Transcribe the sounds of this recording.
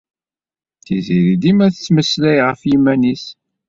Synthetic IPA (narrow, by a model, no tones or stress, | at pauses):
θiziɾid̪imæθət͡sːməslæjʁəfjimænis